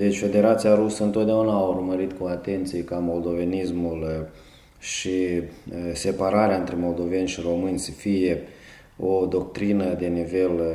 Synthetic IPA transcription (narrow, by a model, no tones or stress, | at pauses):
d̪e̞t͡ʃʲfe̞d̪e̞ɾat̪siaɾusəɨnt̪ot̪̚d̪eaunaːurməɾit̪kuat̪e̞nt̪sijekamo̞ld̪o̞ve̞nismul | ʃi | se̞paɾaɾeaɨnt̪ɾe̞mo̞ld̪o̞ve̞nʲʃiɾo̞mɨnʲsəfije̞ | od̪o̞kt̪ɾinəd̪e̞nive̞l